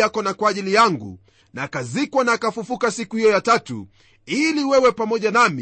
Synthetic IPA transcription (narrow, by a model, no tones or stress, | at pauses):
akɔnakwaːʄilijaŋɡṵ | naːkazikwanaːkafufukasikuhijɔjatatṵ | iliwɛwɛpamɔʄanamḭ